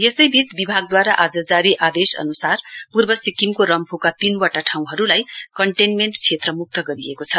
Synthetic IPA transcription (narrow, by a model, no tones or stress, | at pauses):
jesʌjbit͡sbibʱaɡ̚d̪waɾaʔad͡zʌd͡zaɾiʔad̪esʌ̰nusarpurbʌsikimkoɾʌmpʰukat̪inwaʈaʈʰaw̃ɦʌɾulajkʌɳʈenmeɳʈt͡sʰet̪rʌmuk̚t̪ʌɡʌɾiekot͡sʰʌ